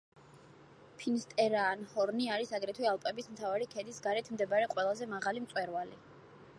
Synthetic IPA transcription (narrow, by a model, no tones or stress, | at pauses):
pʰinst̪ʼɛɾaːnhɔɾniaɾisaɡɾɛt̪ʰwialˠpʼɛbismt̪ʰavaɾikʰɛd̪isɡaɾɛt̪ʰmd̪ɛbaɾɛqʼwɛlˠazɛmaʁalimt̪sʼwɛɾvali